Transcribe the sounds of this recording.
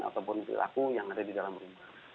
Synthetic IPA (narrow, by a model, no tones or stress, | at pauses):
a̰t̪awpɔnpḭlʔa̰kujaŋadadidalambəɾuma